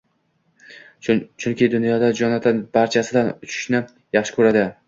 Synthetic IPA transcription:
t͡ʃʰʊŋkʲɪd̪ʊnjɒd̪ad͡ʒɒnat̪ʰanbaɾt͡ʃʰasɪd̪anʊt͡ʃʰɪ̥ʃnɪ | jɑχʃɪkʰɵɾad̪ɪ

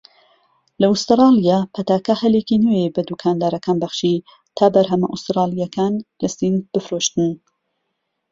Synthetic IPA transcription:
lɐust̪ɨɾɑlijaːpʰɐt̪aːkɐhɐlekinejebɐd̪ukʰaːnd̪aːɾɐkaːnbɐχʃi | t̪ʰaːbɐɾɦɐmɐʔust̪ɾɑːlˠijɐkʰaːnlɨst̪iːnb̥ɨfɾoʃt̪ɨn

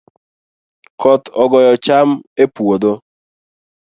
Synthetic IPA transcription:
kʰɔt̪ɔɡɔjɔt͡ʃamepwod̪o

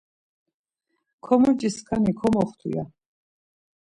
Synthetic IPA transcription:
kʰɔmɔɾd͡ʒʼiskʰanikʰɔmɔχt̪ʰṵja̰

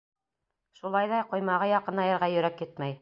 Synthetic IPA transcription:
ʃulˠɑjðɑqŏjmɑʁɤjɑqɤ̆nɑjɤ̆ɾʁɑjɵ̆ɾækjɘt̪mæj

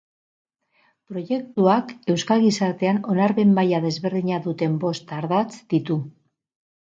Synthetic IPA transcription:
pɾo̞ʝe̞k̚t̪uake̞wskalɣisaɾt̪e̞ano̞naɾβe̞mbajaðe̞zβe̞ɾðiɲaðut̪e̞mbo̞st̪aɾðat͡sd̪̥it̪u

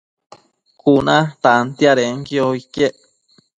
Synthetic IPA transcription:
kunãt̪ant̪iaɾeŋkioikeʔ

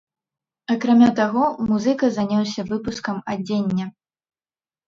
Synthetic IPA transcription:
akɾamʲat̪aɣɔmuzɨkɐzanʲawsʲɐvɨpuskɐmad͡zʲenʲːɐ

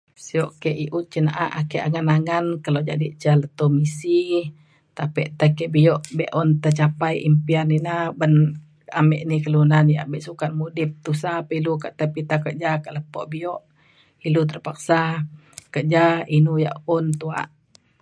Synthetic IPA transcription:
siɔʔkɛʔiʔut̪̚t͡ʃənaʔaʔakɛʔaŋanaŋankəlod͡ʒadit͡ʃələt̪omisi | t̪apɛʔt̪akɛʔbijɔʔbɛʔɔnt̪at͡ʃapajʔḭmpianinabən | a̰mɛʔnikəlunanjabɛʔsukanmudip̚t̪usapəiluka̰ʔt̪əpit̪akəʔd͡ʒakəʔləpoʔbijɔʔ | ilut̪ərpak̚sa | kəʔd͡ʒainuja̰ʔɔnt̪ua̰ʔ

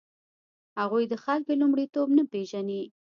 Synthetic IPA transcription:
haɣujd̪əxalkolumɽit̪obnapeʒani

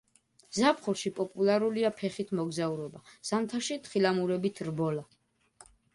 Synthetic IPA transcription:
zapʰχuɾʃipʼɔpʼulˠaɾuliapʰɛχit̪ʰmɔɡzauɾɔbaz̥amt̪ʰaʃit̪χilamuɾɛbit̪ʰɾbɔla

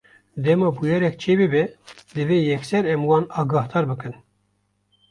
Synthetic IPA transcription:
d̪ɛmɑːbujɛɾɛk̚t͡ʃʰeːbɨbɛd̪ɨveːjɛksɛɾɛmwɑːnɑːɡɑːhd̪ɑːɾbɨkɨn

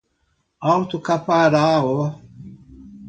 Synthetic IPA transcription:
awt̪ukapaɾaːo

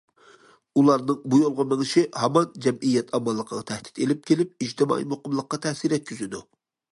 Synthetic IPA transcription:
ulˠɑɾnɨŋbujolˠʁɑmɛŋɪʃɪhɑmɑnd͡ʒɛmijːɛt̪ʰɑmɑlˠːəqʰəʁɑt̪ʰɛhd̪ɪ̥t̪elɪp̚kʲʰelɪp̚id͡ʒt̪ʰɪmɑ̰ḭmoqʊmlˠəqːɑt̪ʰɛsiɾɛt̪̚kʲʰyzyd̪u

